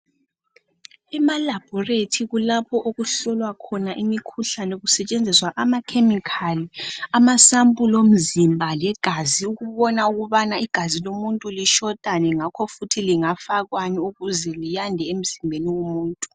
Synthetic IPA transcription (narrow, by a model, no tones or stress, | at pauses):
ɛmalab̥ʱɔretʰiɣulapʰɔʔoɣuɬɔlwakʰɔnaʔimikʰuɬanɛoɣusɛt͡ʃʼend͡zʱiswaʔamakʰemikʰaliamasampʼulom̩zimbʱalɛɡ̥ʱaziuɣuβɔnauɣuβanaiɡ̥ʱazilomuntʼuliʃɔd̥ʼʱanɛŋakʰɔfutʰiliŋafaɣwaniuɣuzɛlijandʱɛem̩zimbʱeniwomuːntʼu